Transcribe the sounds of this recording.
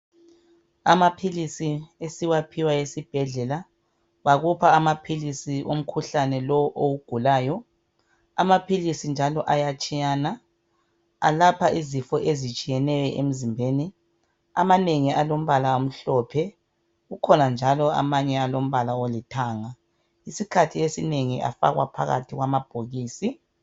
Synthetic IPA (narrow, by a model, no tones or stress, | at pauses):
amapʰilisiesiwapʰiwaesib̥ʱɛɮɛla | βaɣupʰaːmapʰilisiʔo̰m̩kʰuɬanɛlɔwʔowuɡ̥ʱulaːjɔ | a̰mapʰilisind͡ʒʱalɔʔajat͡ʃʼijaːna | a̰lapʰaʔizifɔʔezit͡ʃʼijɛnɛjɛʔem̩zimbʱeni | a̰maneŋialom̩βalaom̩ɬɔːpʰɛ | ɣukʰɔnand͡ʒʱalɔa̰maɲɛalom̩βalaolitʰaːŋa | isikʰatʰiesineŋiʔa̰fa̰ɣwa̰pʰa̰ɣa̰tʰiɣwamab̥ʱoɣiːsi